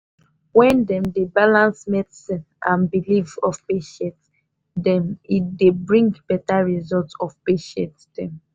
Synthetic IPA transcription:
wɛ̃ndɛ̃mdebalãnsmɛdsĩn | ãnbilivɔvpeʃɛ̃nt | dɛ̃mit̚debɹĩŋɡbɛtaɹizɔltɔvpeʃɛ̃ntd̥ɛ̃m

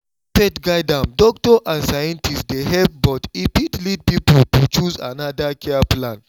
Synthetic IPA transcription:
pɛtɡaɪdãmdɔk̚tɔʔãnsajɛ̃ntʰistdeɦɛp̚bɔtipitlid̚pipultut͡ʃuza̰nadakʰɛaplãn

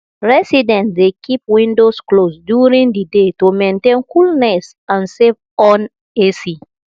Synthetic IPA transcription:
ɹɛsidɛ̃ntdekʰip̚wĩndosklosdjuɹĩŋdidetumẽntẽnkulnɛs | ãnsev | ɔ̃n | esi

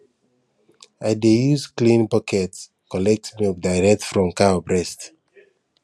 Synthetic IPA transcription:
aɪdejuzklĩnpɔkʰɛts | kɔlɛk̚tmik̚daɪɹɛk̚tfɹɔ̃mkawbɹɛst

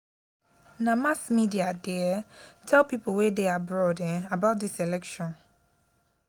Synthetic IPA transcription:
namasmidiadiɛtʰɛlˠpipowedeabɹɔdɛabaʊt̚ðiselɛkʃɔ̃n

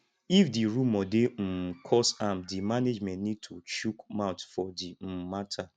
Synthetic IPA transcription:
ifdiɾumɔdem̩kʰɔsamdimaned͡ʒmɛ̃ntnid̚tʰut͡ʃukmaʊ̃tfɔdim̩matʰa

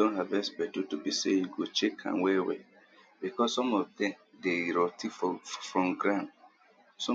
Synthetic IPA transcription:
dõntɦavɛspɛtutubisejuɡot͡ʃekʰã̰nwɛwḛ | bikɔsːɔ̃mɔvdɛ̃mdeɹɔtiffɹɔ̃mɡɹãn | sɔ̃

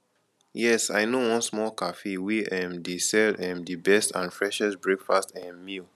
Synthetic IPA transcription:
jɛsa̰ɪnowɔ̃nsmɔlkafewiʔɛ̃mdesɛlɛ̃mdibɛstʰã̰nfɹɛʃɛsbɹekfastɛ̃mːil

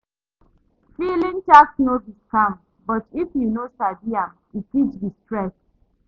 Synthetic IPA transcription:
filĩnt͡ʃaksnoviskãm | bɔtifjunosabiam | itit͡ʃdistɹɛs

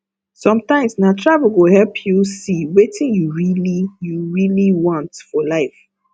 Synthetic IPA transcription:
sɔ̃mtãɪ̃msnatʰɹavəl̩ɡohɛlpʰjusiwetɪ̃njuɹilijuɹiliwɔ̃ntfɔlaɪf

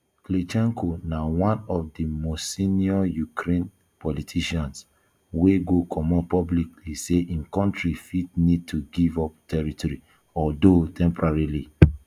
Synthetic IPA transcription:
klet͡ʃɛ̃ŋkʰonawãnɔvdimɔsiniɔjukʰɾẽn | pʰɔlitʰiʃɔ̃ns | weɡokʰɔmɔpɔblikliseʔĩnkɔ̃ntɹifitnid̚tʰuɡivɔp̚tʰɛɹitɔɹi | ɔldotʰɛ̃mpɔɹaɹili

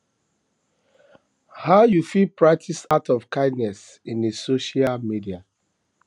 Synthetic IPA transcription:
haʊjufilpɹak̚tʰisatɔvkãɪ̃dnɛs | ĩndesoʃialmidia

